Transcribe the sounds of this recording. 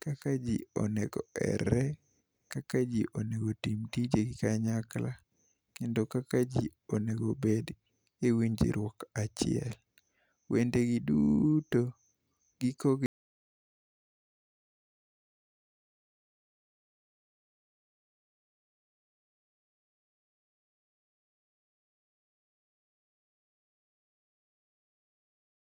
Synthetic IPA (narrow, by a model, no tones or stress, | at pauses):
kakad͡ʒiɔ̰nɛɡɔɛ̰ɾɛ | kakad͡ʒiʔoneɡotimtid͡ʒeɡikaɲakla | kɛndokakad͡ʒi | oneɡobed | ewiɲd͡ʒḭɾwɔkat͡ʃɪ̰ɛ̰l | wendeɡiduto | ɡikoɡ